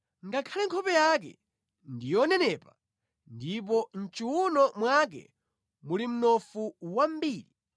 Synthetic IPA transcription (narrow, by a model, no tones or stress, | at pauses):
ŋɡakʰalɛŋkʰɔpɛjak̬ɛ̰ | ndijɔnɛnɛːpa | ndip̬ɔn̩t͡ʃiwunɔmwak̬ɛ̰ | mulim̩nɔfuwambiːli